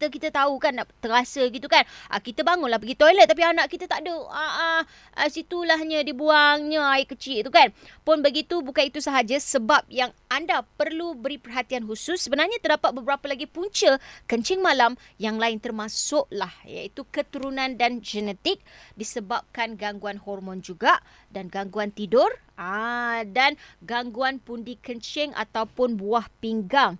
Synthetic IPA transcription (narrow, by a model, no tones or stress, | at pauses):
kit̪əkit̪ət̪aukanːat̪əɾasəɡit̪ukanʔə̰kit̪əbaŋʊnlahɦbəɡit̪ojlət̪t̪ːap̬ianaʔkit̪ət̪aʔdəaʔa | ʔəsit̪ulaɦɲãdibuaŋɲaaiʔkət͡ʃit̪ukanpʊnbəɡit̪ubukanit̪usəɦad͡ʒasəbap̚jaŋandapərlubəɾipərɦat̪ianɦusʊsːəbənarɲat̪ərdapat̪̚bəbəɾapəlaɡipuɲt͡ʃəkəɲt͡ʃɪŋmãlamjaŋlaɪnt̪ərmãsʊʔlahja̰it̪ukət̪uɾunãndand͡ʒɛnɛt̪ɪk̚disəbap̚kanɡaŋɡuanhɔrmɔ̃nd͡ʒuɡaʔ | danɡaŋɡuant̪idʊr | adanɡaŋɡuanpundikəɲt͡ʃɪŋʔa̰t̪awpʊnbuahpiŋɡaŋ